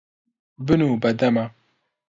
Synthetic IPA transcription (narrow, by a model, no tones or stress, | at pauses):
bɨnubad̪ama